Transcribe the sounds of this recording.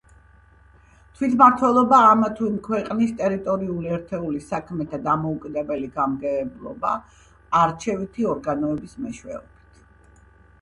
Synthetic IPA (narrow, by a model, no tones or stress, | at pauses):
t̪ʰwit̪ʰmaɾt̪ʰwɛlˠɔbaːmat̪ʰuimkʰwɛqʼnist̪ʼɛɾit̪ʼɔɾiuliɛɾt̪ʰɛulisakʰmɛt̪ʰad̪amɔukʼid̪ɛbɛliɡamɡɛɛblˠɔ̰ba̰ː | ɾt͡ʃʰɛvit̪ʰiɔɾɡanɔɛbismɛʃwɛ̰ɔb̥i̥t̪ʰ